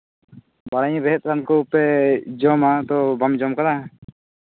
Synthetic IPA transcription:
baɽajbɛɦɛt̪̚ˀɾankɔpɛd͡ʒɔmat̪ɔbamd͡ʒɔmkad̪a

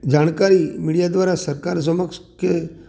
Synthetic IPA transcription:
d͡ʒaɳkaɾimiɽijad̪ʋaɾasəɾkaɾs̬əməkske

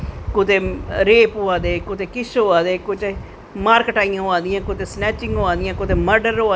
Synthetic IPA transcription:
kʊt̪eːɾeːpoaːd̪eːkʊt̪eːkɪʃoːaːd̪eːkʊt͡ʃe | maːɾkʈaːiãːɦoãːnd̪ɪjãːkʊt̪eːsnɛːt͡ʃɪ̃ŋɡoːãːd̪ɪjãːkʊt̪eːməɾɖəɾoːaː

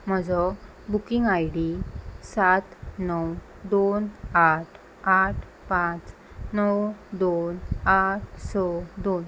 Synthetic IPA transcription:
m̤əd͡zɔ | bukiŋɡajɽisat̪nəw | d̪onaʈʰ | aʈʰ | pãt͡s | nəwd̪onaʈ̚ʰsɔd̪on

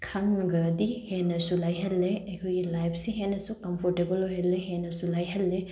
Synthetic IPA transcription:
kʰaŋɡɐdihenɐsulajɦɐlːeɐkʰojɡilajpʰsiɦenɐsukɐmpʰoɾtebɐlojɦelːeɦenɐsulajɦɐlːe

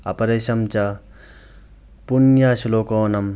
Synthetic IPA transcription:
ɐ̰pɐɾeʃɐmt͡ʃa | punjaʃiloːkoːnɐm

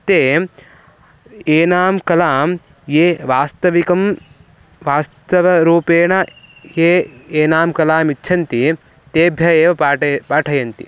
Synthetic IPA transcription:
t̪eː | eːnaːmkɐlaːm | jeːʋaːst̪ɐʋikɐm | ʋaːst̪ɐʋɐɾuːpeːɳɐ | jeːeːnaːmkɐlaːmitːʃʰɐnt̪i | t̪eːbʱjɐjeːʋɐpaːʈʰɐjɐnt̪ḭ

